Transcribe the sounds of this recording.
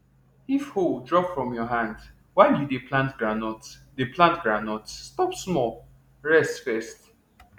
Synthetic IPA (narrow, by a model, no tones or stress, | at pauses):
ifhodɹɔpfɹɔ̃mjɔɦãnd | waɪdudəpʰlãntɡɹanɔtsdəpʰlãntɡɹanɔtsːtɔpsmɔl | ɹɛstfɛst